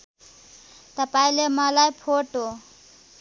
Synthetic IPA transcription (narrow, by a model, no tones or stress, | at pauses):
t̪əpailemalajpʰoʈo